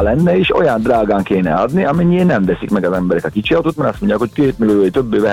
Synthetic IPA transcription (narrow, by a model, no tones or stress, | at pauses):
lɛnːɛeːʃo̞̰jɒnd̪raːɡaːŋkeːnɛ̰ɒd̪niɒmɛɲːiːnɛmvɛsikmɛɡɒzɛmbɛɾɛkɒkit͡ʃiɒt̪ot̪mɛɾɒst̪mo̞ɲɟaːkho̞ckeːt̪miløoːit̪øbːeːvɛ